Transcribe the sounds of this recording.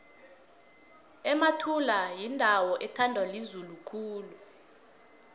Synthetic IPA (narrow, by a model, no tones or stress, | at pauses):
ɛmatʰulajindʱawɔʔɛtʰandʱwalizulukʰuːlu